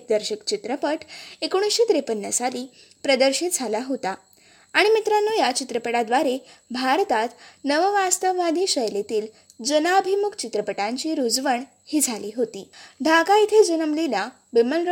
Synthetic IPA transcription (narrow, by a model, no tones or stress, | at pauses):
k̚d̪əɾɕikt͡ɕit̪ɾəpəʈekoɽ̃isɕet̪ɾepənːəsali | pɾəd̪əɾɕit̪̚d͡zʱalaɦot̪a | aɽ̃imit̪ɾanːojat͡ɕit̪ɾəpəɽad̪ʋaɾebʱaɾt̪at̪nəʋəʋast̪əʋʋad̪ʱiɕəjlet̪iːl | d͡zənaəbʱimukt͡ɕit̪ɾəpəʈãɲt͡ɕiːɾud͡zʋəɳ | hiːd͡zʱaliːɦot̪iːɖʱaɡait̪ʰed͡zənəmlila | biməlɾ